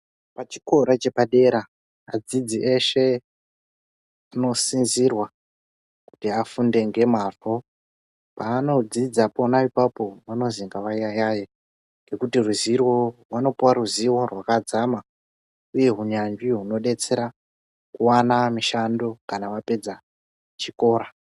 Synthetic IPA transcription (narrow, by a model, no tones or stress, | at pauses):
pat͡ʃi̥ko̞ɾat͡ʃe̞paɗe̞ɾaː | d͡zid͡ziʔe̞ʃe | ano̞sinzirwa | ku̥tiafunde̞ŋɡe̞maro | paːno̞d͡zid͡zaponaipapo̞ʋano̞ziŋɡaʋaijajaje | ŋɡe̞kutiruzirworwano̞puwaruziwo̞rwakad͡zama | uje̞ɦuɲaɲd͡ʒiɦuno̞ɗe̞t͡se̞ɾa | kuwanamiʃando̞kanaʋape̞d͡za | t͡ʃiko̞ːɾa